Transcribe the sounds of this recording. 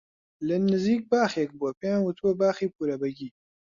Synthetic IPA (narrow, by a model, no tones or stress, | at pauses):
lɨnɨziːk̚baːxek̚buɛpejãːnwʊt̪ʰuwɛbaːxiːpuːɾɐbɛɡiː